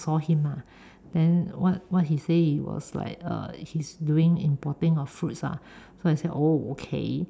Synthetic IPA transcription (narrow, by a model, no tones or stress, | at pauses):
sɔhĩma | d̥ɛ̃nwɔt̚wɔt̚hiseiwɔ̰sla̰ɪk̚ʌ̰hisduĩŋĩmpɔtə̃ŋɔfɹutsa̰soaɪseʔookʰḛ